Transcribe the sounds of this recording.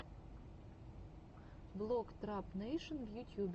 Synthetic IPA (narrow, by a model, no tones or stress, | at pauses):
blˠokt̪ɾapnejʃə̃nvjutʲʰjub